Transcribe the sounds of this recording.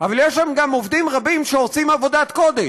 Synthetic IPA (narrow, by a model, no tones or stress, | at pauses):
avaljeʃlamɡamovd̪imʁabimʃeot͡simavo̞d̪at̪ko̞d̪e